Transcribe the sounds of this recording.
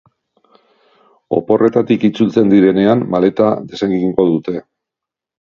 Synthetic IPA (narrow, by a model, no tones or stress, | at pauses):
o̞̰po̞re̞t̪at̪ikit͡sult͡se̞nd̪iɾe̞ne̞amːale̞t̪aðe̞saŋɡiŋɡo̞ðut̪e̞